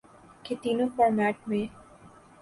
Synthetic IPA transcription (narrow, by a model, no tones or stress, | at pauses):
ket̪iːnõpəɾmæːʈ̚mẽ